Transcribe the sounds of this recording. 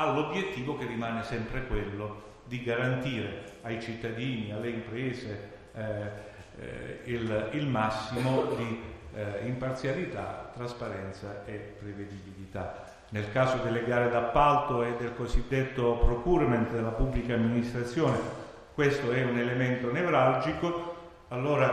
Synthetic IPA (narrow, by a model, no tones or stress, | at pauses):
alːobjet̪ːiːvokerːimaːnesɛmpɾekwelːo | d̪iɡaɾant̪iːɾe | ajt͡ʃit̪ːad̪iːnialːeimpɾɛːze | ililmasːimod̪i | impart̪sjalit̪a̰t̪ːɾaspaɾɛnt̪saepːɾeved̪ibilit̪a | nelkaːzod̪elːeɡaːɾed̪apːalt̪oed̪ːelkosid̪ːet̪ːopɾokuːɾmɛnt̪d̪elːapubːlikaːmːinist̪ɾat̪sːjɔːne | kwest̪oɛunelement̪onevɾald͡ʒiko | alːoːɾa